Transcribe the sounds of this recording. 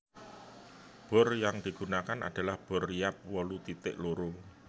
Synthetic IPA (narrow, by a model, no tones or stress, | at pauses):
b̥ɔ̤rjaŋd̥i̤ɡ̥ṳnakanʔa̰d̥a̤lahb̥ɔ̤rijap̚wɔlut̪it̪ɪ̰ʔloɾʊŋ